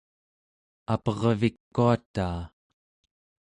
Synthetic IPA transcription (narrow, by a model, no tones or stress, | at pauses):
apʌʁvikːuat̪aː